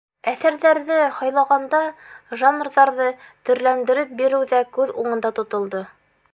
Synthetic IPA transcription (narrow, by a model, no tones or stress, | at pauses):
æθæɾðæɾðɘhɑjlˠɑʁɑnd̪ɑʒanrðɑɾðɤt̪ɵ̆ɾlænd̪ɘ̆ɾɘp̚biɾɘwðækʉðuɴɤ̆nd̪ɑt̪ŏt̪ŏlˠd̪ɤ